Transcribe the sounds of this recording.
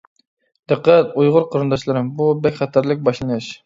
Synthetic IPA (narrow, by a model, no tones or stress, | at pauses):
d̪̥əqːæt̪ujʁʊɾqʰəɾɨnd̪ɑʃlˠɨɾɨmbubɛkʲχæt̪ʰæɾlɪk̚ʲbɑʃlˠɨnɨʃ